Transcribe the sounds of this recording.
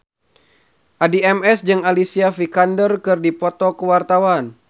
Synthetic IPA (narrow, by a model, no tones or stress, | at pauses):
ʔadiɛmɛsd͡ʒɨŋalisiafikandərkɨrdipɔt̪ɔkəwart̪awan